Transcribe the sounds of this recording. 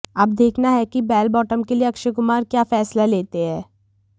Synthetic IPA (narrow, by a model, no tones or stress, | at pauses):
ɐb̚d̪eːkʰnaɦɛkibɛːlbɔːʈəmkelieɐkʃəkʊmaːɾkjaːfɛːslaleːt̪eɦɛː